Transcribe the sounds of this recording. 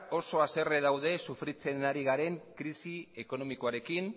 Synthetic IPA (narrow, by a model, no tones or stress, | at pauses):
o̞so̞ase̞re̞ðawðe̞sufɾit͡se̞naɾiɣ̞aɾe̞ŋkɾisie̞ko̞no̞mikoaɾe̞kin